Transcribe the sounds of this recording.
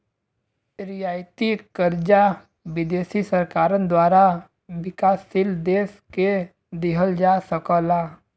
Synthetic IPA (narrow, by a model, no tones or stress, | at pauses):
ɾɪjaːjt̪ikəɾd͡ʒa | ʋɪd̪eːsisəɾkaːɾənd̪waːɾa | ʋɪkaːsːɪld̪eːske | d̪ɪɦəld͡ʒaːsəkəlaː